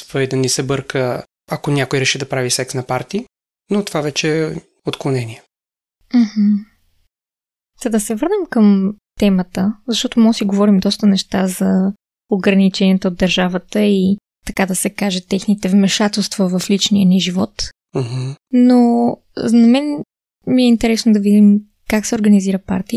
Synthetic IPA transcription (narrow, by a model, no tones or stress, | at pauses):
svəid̪ɐnisɛbɤɾkə | ɐkonʲjakojɾɛʃid̪ɐpɾavisɛksnɐpaɾt̪i | not̪ovavɛt͡ʃɛ | ot̪klˠonɛniɛ | m̩hm̩ | z̥ɐd̪ɐsɛvɤɾnəmkəmt̪ɛmət̪əzɐʃt̪ɔt̪omɔsiɡovɔɾimd̪ɔst̪ənɛʃt̪azɐ | oɡɾɐnit͡ʃɛnʲiɛt̪əod̪ːɐɾʒavət̪əi | t̪ɐkad̪ɐsɛkaʒɛt̪ɛxnit̪ɛvmɛʃat̪ɛlˠst̪vəvɐflit͡ʃnijənɛʒivɔt̪ | m̩hm̩no | nɐmɛn | miɛint̪ɛɾɛsnod̪ɐvid̪im | kaksɛoɾɡɐniziɾəpa̰ɾt̪i